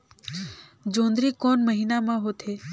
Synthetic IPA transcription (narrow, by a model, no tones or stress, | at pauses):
d͡ʒõːnd̪ɾikoːnməɦiːnamãɦot̪ʰeː